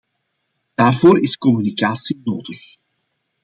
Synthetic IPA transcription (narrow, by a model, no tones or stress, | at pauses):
d̥aːrvoːɾɪskɔmynikaːsinoːdəx